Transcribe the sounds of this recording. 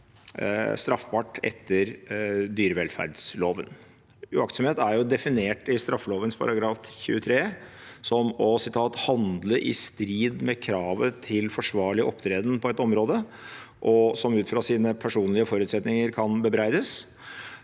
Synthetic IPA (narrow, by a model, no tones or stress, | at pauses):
st̪ɾɑfpʰɑʈːɛ̰t̪ʰːəɾd̪yːɾəʋɛlfæ̰ɖsloːʋə̰n | ʉɑkt̪sɔmheːt̪æɾjʊd̪ɛfɪneːʈɪst̪ɾɑfːəloːʋənspʰɑ̰ɾɑɡɾɑːfçʉ̰ːət̪ʰɾeː | sɔmɔsɪt̪ʰɑːt̪hɑnd̪ləʔɪ̰st̪ɾiːd̪mɛkʰɾɑːʋət̪ʰɪlfɔʂʋɑːɭɪʔɔpt̪ʰɾeːd̪ən̩pʰɔɛt̪ɔmɾoːd̪ə | ʔɔsɔmʉːt̪fɾɑsiːnəpʰæʂuːnlɪəfɔɾʉːt̪sɛt̪nɪŋəɾkʰɑnbəbɾæɪd̪əs